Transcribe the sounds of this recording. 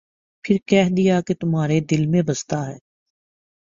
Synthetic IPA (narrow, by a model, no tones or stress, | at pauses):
pʰɪɾkɛːɦd̪ijaket̪ʊmɦaːɾed̪ɪlmẽbɐst̪aɦɛː